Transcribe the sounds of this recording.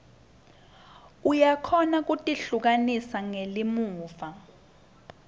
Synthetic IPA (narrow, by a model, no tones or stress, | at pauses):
ujakʰɔnak̬utʼiɬuk̬anisaŋelimuːfa